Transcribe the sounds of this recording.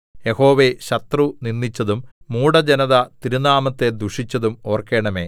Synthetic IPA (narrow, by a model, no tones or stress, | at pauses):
je̞ho̞ːʋe̞ɕɐt̪runinːit͡ɕːɐðumːuːɽɐd͡ʑenɐðɐt̪iɾunaːmɐt̪ːe̞d̪uʂit͡ɕːɐðumo̞ːrkeːɳɐme̞̰ː